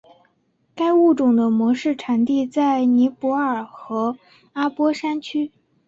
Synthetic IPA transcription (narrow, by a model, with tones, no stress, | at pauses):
ka˥ɪu˥˩ʈ͡ʂʊ˨˩ŋd̪ə˦mwɔ˧˥ʂɻ̩˥˩ʈ͡ʂʰa˨˩nt̪i˥˧t͡sa˥˩ɪni˧˥pwɔ˧˥ə˞˨˩xɤ˧˥ | a˥pwɔ˥ʂa˥nt͡ɕʰy˥